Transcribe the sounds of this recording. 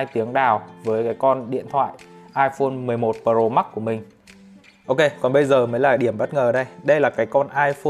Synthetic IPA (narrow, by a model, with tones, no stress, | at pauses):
a˧jt̪i˨˦əŋɗaː˨˩wvəː˨˦jkaː˨˦jkɔ˧nɗḭ˧˨ənt̪ʰwa̰ː˧˨jʔaː˧jfo˧nmɨ˨˩əjmo˨˩t̚pəː˧˩zo˨˧˩ma˦˥t̚ku˧˩əmï˨˩ŋ̟ | ʔo˧ke˧kɔ˨˩nɓə˧jzəː˨˩məː˨˦jlaː˨˩ɗi˧˩əmɓə˦˥t̚ŋəː˨˩ɗə˧jɗə˧jlaː˨˩kaː˨˦jkɔ˧nʔaː˧jfo˧